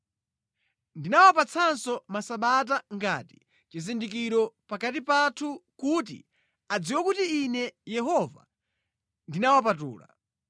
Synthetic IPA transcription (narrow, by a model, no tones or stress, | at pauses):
ndinawapat͡sʰansɔmasaɓat̬aŋɡa̰ːti̥ | t͡ʃizindik̬iɾɔpakatipatʰukut̬ḭ | ad͡ziwɛkutiːnɛjɛɦɔva̰ | ndinawap̬atṵːla̰